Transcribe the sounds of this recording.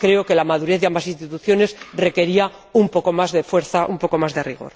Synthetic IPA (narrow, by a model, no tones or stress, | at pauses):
kɾe̞oke̞lamaðuɾeθðeambasinst̪it̪uθjo̞ne̞sre̞ke̞ɾia | umpo̞ko̞mazðefwe̞ɾθaʔumpo̞ko̞mazðe̞riɣ̞o̞̰ɾ